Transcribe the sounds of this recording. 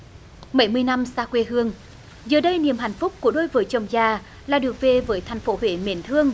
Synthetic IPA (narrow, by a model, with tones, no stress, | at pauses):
mə˧˥jmɨ˧əjna˧msaː˧kwe˧ɦɨ˧əŋ | zəː˨˩ɗə˧jni˨˩əmɦa̰˧˩jŋ̟fʊ˦˥k͡p̚ku˧˩əɗo˧jvəː˨˦t͡ɕə˨˩wŋ͡mzaː˨˩ | laː˨˩ɗɨ˨˩ək̚ve˨˩vəː˨˦jt̪ʰɛ˨˩jŋ̟fo˨˦ɦwḛ˧˩mḭ˧˦nt̪ʰɨ˧əŋ